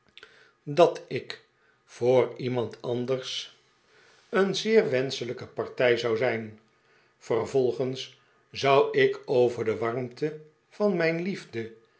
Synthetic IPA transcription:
dɑtɪk | fʊːrimɑntʰɑndəɹs | ənzɪːɹʋɛnsələkəpɑɹtɛjzɑwzɛjn | fərvɔlˠχəns | zɑwɪkowvəɹdəʋɑɹmtə | v̥ɑnmɛjnlivdə

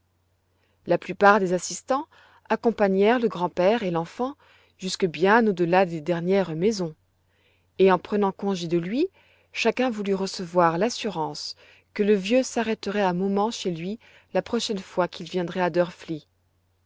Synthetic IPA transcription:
laplypaʁd̪ezasist̪ɑ̃ | akɔ̃paɲɛʁləɡʁɑ̃pɛʁelɑ̃fɑ̃ | ʒyskəbjɛ̃nod̪əlad̪ed̪ɛʁnjɛʁmezɔ̃ | eɑ̃pχənɑ̃kɔ̃ʒed̪əlɥi | ʃakʲɛ̃vulyʁəsəvwaʁlasyʁɑ̃s | kələvjøsaʁɛt̪əʁɛamɔmɑ̃ʃelɥi | lapχɔʃɛnfwakʲilvjɛ̃d̪ʁɛad̪œʁfli

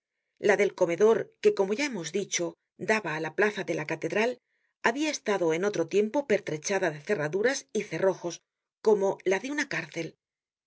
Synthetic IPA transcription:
laðe̞lko̞me̞ðo̞ɾke̞ko̞mo̞ʝae̞mo̞zðit͡ʃo̞ | d̪aβaːlaplaθaðe̞lakat̪e̞ðɾal | aβiae̞st̪aðo̞e̞no̞t̪ɾo̞t̪je̞mpo̞pe̞ɾt̪ɾe̞t͡ʃaðaðe̞θe̞raðuɾasiθe̞ro̞xo̞s | ko̞mo̞laðeunakaɾθe̞l

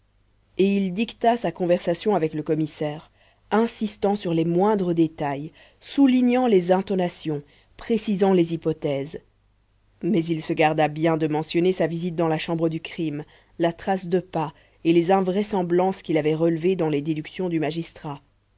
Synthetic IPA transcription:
eild̪ikt̪asakɔ̃vɛʁsasjɔ̃avɛkləkɔmisɛːʁ | ɛ̃sist̪ɑ̃syʁlɛmwɛ̃d̪ʁəd̪et̪aj | suliɲɑ̃lezɛ̃t̪ɔnasjɔ̃ | pχesizɑ̃lezipɔt̪ɛz | mɛzilsəɡaʁd̪abjɛ̃d̪əmɑ̃sjɔnesavizit̪̚d̪ɑ̃laʃɑ̃bʁəd̪ykχim | lat̪χasd̪əpa | elezɛ̃vʁɛsɑ̃blɑ̃skʲilavɛʁəlved̪ɑ̃led̪ed̪yksjɔ̃d̪ymaʒist̪χa

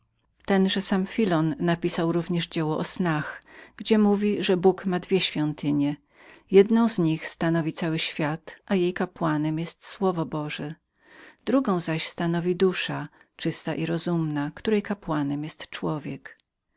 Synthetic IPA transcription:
t̪ɛnʐɛsamfʲilɔnːapʲisawɾuvɲɛʐd͡ʑɛwɔʔɔsnaxɡ̥d͡ʑɛmuvʲiʐɛbukmad̪vʲjɛɕfʲjɔnt̪ɘɲɛ | jɛd̪nɔ̃w̃zɲixst̪anɔvʲit̪sawɘɕfʲjat̪ʔajejkapwanɛmjɛst̪swɔvɔbɔʐɛ | d̪ɾuɡɔ̃w̃zaɕst̪anɔvʲid̪uʂat͡ʂɘst̪aʔiɾɔzumnakt̪uɾɛjkapwanɛmjɛst̪t͡ʂwɔvʲjɛk

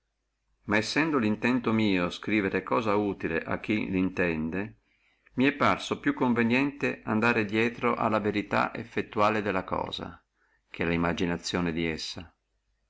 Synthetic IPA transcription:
maesːɛnd̪olint̪ɛnt̪omiːoskɾiːveɾekɔːzauːt̪ilḛʔa̰k̟ːilint̪ɛnd̪e | miɛpːarsopjukːoɱvenjɛnt̪eand̪aːɾed̪jɛːt̪ɾoʔa̰lːaveɾit̪a̰ʔefːet̪ːuaːled̪elːakɔ̰ːza̰ | k̟ɛlimːad͡ʒinat̪sːjoːned̪iɛsːa

